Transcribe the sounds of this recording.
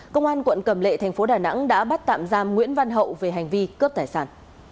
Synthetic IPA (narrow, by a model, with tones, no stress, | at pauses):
kə˧wŋ͡mʔaː˧nkwə̰˧˨nkə˧˩mlḛ˧˨t̪ʰjŋ̟fo˨˦ɗaː˨˩na̰˧˥ŋɗa̰ː˧˥ɓa˦˥t̚t̪a̰ː˧˨mzaː˧mŋwḭ˧˥ənva˧nɦə̰˧˨wve˨˩ɦa˨˩jŋ̟vi˧kə˦˥p̚t̪aː˧˩jsaː˧˩n